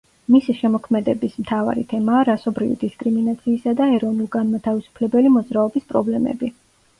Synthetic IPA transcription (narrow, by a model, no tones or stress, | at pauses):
misiʃɛmɔkʰmɛd̪ɛbismt̪ʰava̰ɾit̪ʰɛmaːɾasɔbɾivḭd̪iskʼɾiminat̪sʰiːsad̪aɛɾɔnulˠɡanmat̪ʰavisu̥pʰlɛbɛlimɔd̪zɾaɔbispʼɾɔ̰blɛmɛ̰bi